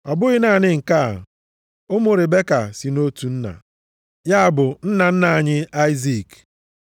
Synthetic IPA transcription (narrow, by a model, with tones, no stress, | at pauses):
ɔ˨bʊ˦ɣɪ˦na˨nɪ˦ŋ̩˨ka̰˦˨ | ʊ˦mʊ˨ɾɪ˨be˦ka˨si˨no˦tu˨n̩˦na̰˨ | ja˦a˨bʊ˨n̩˦na˨n̩˦na˨a˨ɲɪ˦a˦ɪ˦zi˦˨k